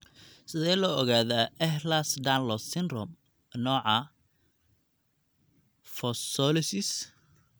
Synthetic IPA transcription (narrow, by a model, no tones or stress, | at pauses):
sɪðɛːlɔɔɣaːðaʔɛhlasd̪anlɔsɪnrɔm | nɔːʕɑ | fɔsɔlɪsɪs